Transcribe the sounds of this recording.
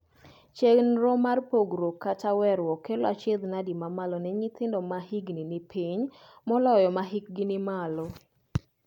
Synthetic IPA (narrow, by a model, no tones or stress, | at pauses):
t͡ʃeɡnɾɔmarpoɡɾokatawɛɾwɔkːelɔat͡ʃed̪nadimamalɔnɛɲɪt̪ɪndɔmahiɡninɪpʰiɲmɔlɔjɔmaɦik̚ɡɪnɪmalɔ